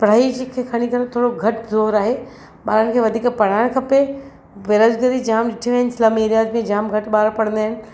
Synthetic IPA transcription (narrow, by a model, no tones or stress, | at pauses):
pɽ̤aːid͡ʑikʰeːkʰɐɽ̃ikɐɾet̪ʰoːɽoɡʱɐʈzoːɾaːɦeː | ɓaːɾəñkʰeːʋɐd̪ʱiːkpɐɽ̤aːɪɽ̃kʰɐpe | ʋeːɾəd͡ʒɡəɾid͡ʒaːmɗɪʈʰiʋeɦɪnɪsɪlaːmeːɾijaːd̪mẽd͡ʑaːmɡʱɐʈɓaːɾpɐɽə̃nd̪aɦɪnɪ̆